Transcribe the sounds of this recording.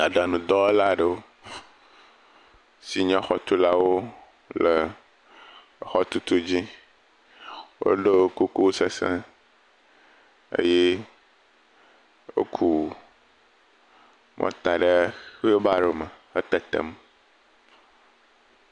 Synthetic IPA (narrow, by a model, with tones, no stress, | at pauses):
a˨ɖa˨nũ˨d̪ɔ˦la˦ɖə˨o˦ | si˨ɲɔ̃˦xɔ˨t̪u˦la˦wo˦ | lə˨ | xɔ˦t̪u˦t̪u˦d͡ʑi˦ | wo̰˦ɖe˦o˦ku˦ku˦se˨sɛ̰̃˦ | ḛ˦je˦ | wo̰˦kʰu˦˨ | mʔɔ̰̃˦t̪a˨ɖə˦xo˦ba˦ɖo˨me˨ə˦t̪ɛ˨t̪ḛ˨m˦